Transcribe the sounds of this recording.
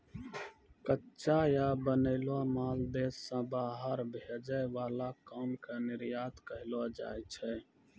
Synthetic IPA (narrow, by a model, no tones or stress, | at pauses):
kətːʃajabəneɪlwamaːld̪eːsːãbaːɦəɾbʱed͡ʒəjʋaːlakɔːmkenɪɾjaːt̪kəɦɪlad͡ʒa̰ːjt͡ʃʰɛ